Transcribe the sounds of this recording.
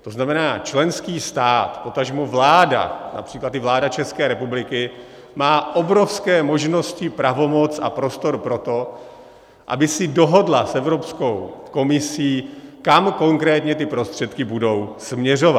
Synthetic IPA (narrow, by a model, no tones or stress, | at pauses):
t̪oznamɛnaːt͡ʃlɛnskiːst̪aːt̪po̞t̪aʒmuvlaːda̰na̰pr̝̥iːklat̪ɪvlaːdat͡ʃɛskɛːɾɛpublɪkɪ | maːʔo̞bɾo̞fskɛːmo̞ʒno̞scɪpɾavo̞mot͡sa̰pɾo̞st̪o̞ɾpɾo̞t̪o̞ | ʔa̰bɪsɪdoɦo̞dlasʔɛvɾo̞psko̞wko̞mɪsiːkamko̞ŋkɾɛːt̪ɲɛt̪ɪpɾo̞st̪r̥ɛt̪kɪbudo̞wsmɲɛro̞va